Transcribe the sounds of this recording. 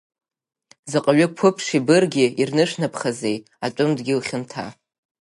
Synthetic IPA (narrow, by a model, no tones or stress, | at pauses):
zɨqʼaɥʊkʷʰʊpʰʂibɨrɡʲɪirnɨʂnapʰχazej | aʈ͡ʂʷʼʊmdɡʲɪlχʲɪntʰa̰